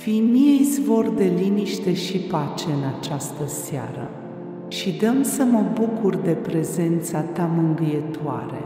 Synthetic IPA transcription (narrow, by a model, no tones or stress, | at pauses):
fijmijejzvo̞rd̪e̞liniʃt̪e̞ʃipat͡ʃe̞ɨnat͡ʃast̪əsea̰ɾə̰ | ʃid̪əmsəməbukurd̪e̞pɾe̞ze̞nt̪sat̪amɨŋɡɨjet̪oa̰ɾe̞̰